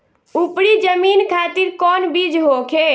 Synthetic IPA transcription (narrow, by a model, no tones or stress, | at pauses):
upɽid͡ʒəmiːnkʰaːt̪iɾkɔːnbid͡ʒɦoːkʰeː